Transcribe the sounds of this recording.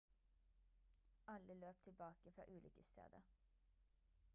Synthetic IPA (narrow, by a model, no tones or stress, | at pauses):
ʔɑləløːp̚t̪ʰɪlbɑːkəfɾɑ̰ːʔʉːlʏːkəst̪ʰḛːd̪ə